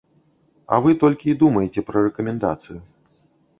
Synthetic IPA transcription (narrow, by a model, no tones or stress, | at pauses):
ɐ̰vɨt̪ɔlʲkʲiːd̪umɐjet͡sʲɛpɾɐrɛkɐmʲɛnd̪a̰t̪sɨju